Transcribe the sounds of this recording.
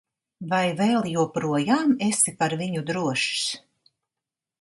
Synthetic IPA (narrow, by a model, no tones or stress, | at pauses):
vajvɛːlˠjuɔpɾuɔjaːmesipaɾviɲud̪ɾuɔʃs